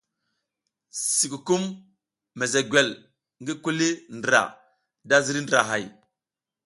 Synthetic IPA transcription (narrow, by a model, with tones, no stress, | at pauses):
si˨ku˨ku˦mː | e˨ze˨ɡwe˨l | ŋɡi˦ku˦li˦ndɾa̰˨ | da˦zi˦ɾi˦ndɾa̰˨ɦa˨j